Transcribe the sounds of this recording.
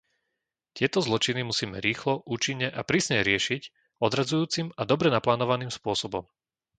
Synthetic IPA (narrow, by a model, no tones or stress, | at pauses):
t̪ɪɛt̪ɔzlɔt͡ʃinimusiːmɛɾiːxlɔʔuːt͡ʃiɲːɛʔapɾiːsɲɛɾɪɛʃic | ɔd̪ɾad͡zujuːt͡simad̪ɔbɾɛnaplaːnɔʋaniːmspʊɔsɔbɔm